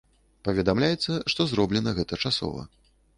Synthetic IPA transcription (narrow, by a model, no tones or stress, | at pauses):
pɐvʲɛd̪amlʲajɛt̪sːɐʂt̪ɔzɾɔblʲɛnɐɣɛt̪ɐt͡ʂasɔ̰vɐ̰